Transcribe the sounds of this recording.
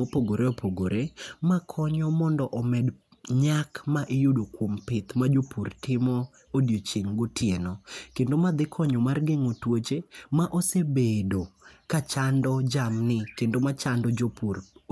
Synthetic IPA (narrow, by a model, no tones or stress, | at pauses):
opoɡoɾeopʰoɡoɾemakʰɔɲɔmɔndɔʔɔmɛd | ɲakmaʔɪjudokwompɪt̪mad͡ʒopurtɪmɔ | odjot͡ʃiŋɡotʰjenɔkendomad̪ɪkʰɔɲɔmarɡeŋotwot͡ʃemaʔosebedokat͡ʃandɔd͡ʒamnɪkendomat͡ʃandɔd͡ʒopur